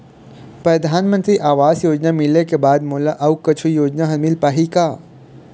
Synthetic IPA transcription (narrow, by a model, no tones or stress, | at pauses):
pɾɐd̪ʱaːnmə̃nt̪ɾiːʔaːʋaːsjoːd͡ʒnamɪlekebaːd̪muːlaʔɐʋkɐt͡ʃʰujoːd͡ʒnaɦɐmɪlpaːɦikaː